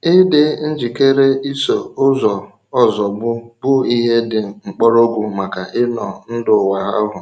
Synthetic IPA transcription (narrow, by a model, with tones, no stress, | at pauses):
ɪ˦dɪ˦n̩˦d͡ʒi˨ke˦ɾe˦i˦so˨ʊ˦zɔ˨ | ɔ˦zɔ˨bʊ˦bʊ˦i˦ɦe˦dɪ˨ŋ͡m̩˨k͡pɔ˦ɾo˦ɡʷʊ˨ma˨ka˨ʔɪ˦nɔ˨n̩˦dʊ˨wa˨ɦa̰˦ɦʊ˨